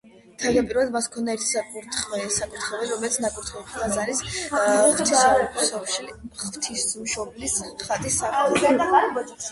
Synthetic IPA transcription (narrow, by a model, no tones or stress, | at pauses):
t̪ʰald̪apʼiɾvalˠad̪maskʰɔnd̪aɛɾt̪ʰi̥sakʼuɾt̪ʰχwɛsakʼuɾt̪ʰχɛvɛlɾɔmɛlit̪sʰnakʼuɾt̪ʰχɛpʰt̪ʰazaɾis | t̪ʰasɔʃiχvt̪ʰismʃɔblisχat̪ʼisːaχɛ